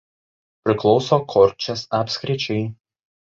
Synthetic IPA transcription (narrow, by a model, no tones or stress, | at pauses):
pʲɾʲɪklˠɒʊsoːkʰɔɾʲt͡ʃʲɛsɑːpʲsʲkɾʲɪt͡ʃʲɛɪ